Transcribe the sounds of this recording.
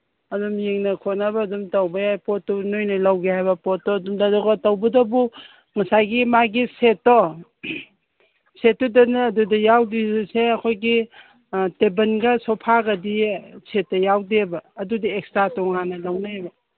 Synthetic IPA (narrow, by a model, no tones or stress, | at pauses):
ɐdumjeŋnɐkʰonɐbɐːdumtɐwbɐjajpotːɔnojnɐlɐwɡehajbɐpotːɔdumdadɔɡɐtɐwbɐdɐbu | ŋɐsajɡimaɡisetːɔ | setːɔdɐnːdudɐjawdiseɐkʰojɡi | tebɐnɡɐsopʰaɡɐdiset̚ːɐjawdebɐːdudiekstɾatɔŋanɐlɐwnaajbɐ